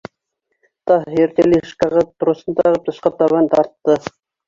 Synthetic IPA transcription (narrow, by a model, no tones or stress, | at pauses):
t̪ɑeɾt̪eliʃkɑʁɑp̚t̪ɾosɤ̆nt̪ɑʁɤp̚t̪ɤ̆ʃqɑt̪ɑβɑnt̪ɑɾt̪ːɤ